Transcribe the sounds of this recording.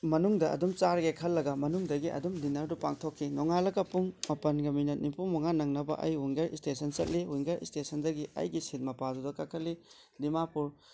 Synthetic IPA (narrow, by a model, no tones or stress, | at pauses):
mɐnuŋdɐʔɐ̰dumt͡ʃaɾɡekʰɐlːɐɡɐmɐnuŋdɐɡiʔɐ̰dumdinɐɾdupaŋtʰokʰːinoŋalɐɡɐpuŋmɐpɐnɡɐminɐt̚nipumɐŋanɐŋnɐbɐ̰ʔɐ̰jɦuŋɡeɾḭstesɐnt͡ʃɐt̚liɦuŋɡeɾḭstesɐndɐɡiɐ̰jɡisit̚mɐpadudɐkakʰɐtli | dimapuɾ